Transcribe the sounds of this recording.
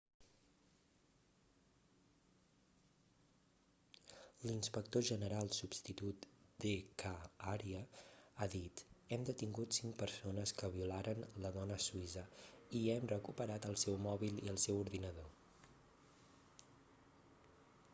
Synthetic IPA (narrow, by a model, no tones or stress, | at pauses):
linspək̚t̪oʒənəɾalˠsubst̪it̪ut̪d̪ekaaɾiəaðit̪ɛmd̪ət̪iŋɡut̪siŋk̚pəɾsonəskəβiulaɾʔənləðɔnəsuizəiɛmrəkupəɾat̪əlˠsɛwmɔβilˠiəlˠsɛwuɾðinəðo